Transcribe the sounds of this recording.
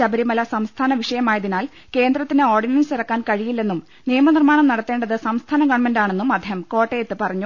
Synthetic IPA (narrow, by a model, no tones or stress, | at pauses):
ɐbɐɾimɐlɐsɐmst̪ʰaːnɐʋiʂɐjɐmaːjɐðinaːl | ke̞ːnd̪rɐt̪ːineoːrɖinɐnsirɐkːaːnkɐɻijilːe̞nːum | nijɐmɐnirmaːɳɐmnɐɽɐt̪ːe̞ːɳɖɐðɨsɐmst̪ʰaːnɐɡɐʋɐɳmendaːɳe̞nːumɐd̪ʱeːhɐmko̞ːʈːeːjet̪ːɨpɐrɐɲːu